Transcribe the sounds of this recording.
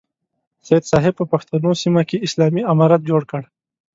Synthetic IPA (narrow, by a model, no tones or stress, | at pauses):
sajed̪sɑɦɪb̚pəpaxt̪anosimakeɪslɑmiamɑɾat̪̚d͡ʒoɽkəɽ